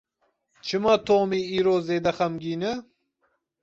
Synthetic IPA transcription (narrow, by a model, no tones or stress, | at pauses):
t͡ʃʰɨmɑːt̪ʰoːmiːiːɾoːzeːd̪ɛxɐmɡiːnɨ